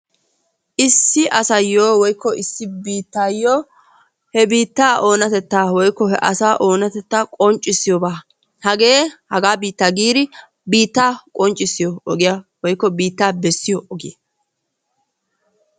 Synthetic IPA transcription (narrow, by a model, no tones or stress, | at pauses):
ʔɪsːɪʔɐsɐjːoːwɔjkːɔɪsːɪbiːt̪ːaːjːoː | hɛbiːt̪ːaːʔo̞ːnɐt̪ɛt̪ːaːwɔjkːɔhɛʔɐsaːʔo̞ːnɐt̪ɛt̪ːaːkʼɔnt͡ʃʼːɪsːɪjobaː | hɐɡe̞ːhɐɡaːbiːt̪ːaːɡiːd̪ɪ | biːt̪ːaːkʼɔnt͡ʃʼːɪsːɪjɔːɡɪjawɔjkːɔbiːt̪ːaːbɛsːɪjɔʔɔɡɪje